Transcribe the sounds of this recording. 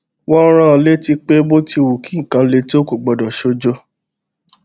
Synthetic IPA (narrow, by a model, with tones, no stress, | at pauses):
wɔ˦ɾ̃ã˦ɔ˧le˦ti˧k͡pe˦bo˦ti˧wu˨kĩ˨˦˨kã˧˦le˧to˦ku˦˨ɡ͡bɔ˨dɔ˨ʃo˧d͡ʒo˦